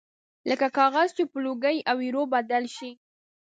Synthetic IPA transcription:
ləkakɑɣazt͡ʃepəloɡəjawiɾobad̪alʃi

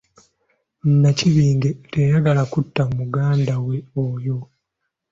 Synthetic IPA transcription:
nːaciβiːŋɡe̞tejaɡalakutːamumuɡaːndawe̞ojo̞

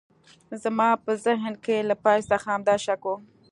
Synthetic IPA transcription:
zamɑpəzɪɦnkelapɑjst̪axaamd̪ɑʃako

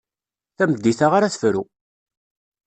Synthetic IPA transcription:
θæməd̪ːiθaʁaɾaθfɾu

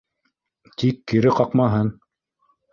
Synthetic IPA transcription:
t̪ikːiɾɘqɑqmɑɦɤn

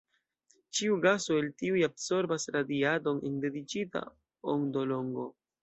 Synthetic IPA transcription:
t͡ʃiuɡasoeltiujabso̞ɾbasɾadiado̞nḛnde̞dit͡ʃita̰ | oŋdo̞lo̞ŋɡo̞

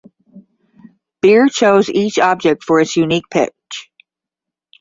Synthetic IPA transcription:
b̥ɪɹt͡ʃʰoʊzit͡ʃɑb̚d͡ʒɨk̚tfə˞ɨtsjʉnik̚pʰɪ̰k̚t͡ʃ

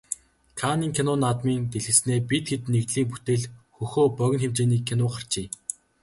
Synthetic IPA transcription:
kʰaniːŋkʲʰenʊnat̪miːnt̪eɮxɘ̆sneːpit̪̚ɡet̪nekt̪ɮiːmput̪eːɮxɵxoːpœɣʲɪ̆nxemt͡ɕeːniːkʰːenʊːχar̥t͡ɕiː

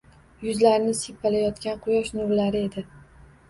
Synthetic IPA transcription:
jʊzlaɾnɪsepʰːalajɒt̪kʲanqʰʊjɒʃnʊɾlaɾɪe̞d̪ɪ

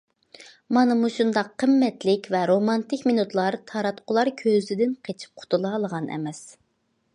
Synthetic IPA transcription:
mɑnɨmuʃund̪ɑqʰːəmːɛt̪lɪkʲvɛɾomɑnt̪ɪkʲmenut̪lˠɑɾt̪ʰɑɾɑt̪qʰʊlˠɑɾkʲʰøzɪd̪ɪnqʰet͡ʃʰi̥p̚qʰʊ̥t̪ʰulˠɑːlˠəʁɑnɛ̰mɛs

